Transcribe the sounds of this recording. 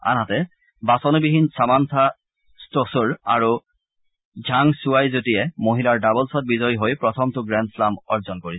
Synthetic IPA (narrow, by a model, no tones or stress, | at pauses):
a̰nɦatɛ | basɔnubiɦinsamantʰa | stosuɹa̰ɹu | zʱaŋsuwajzotijɛmoɦilaɹdabɔlsɔt̚bizɔjɦojpɹɔtʰɔmtʊɡɹɛnslamɔɹzɔnkoɹi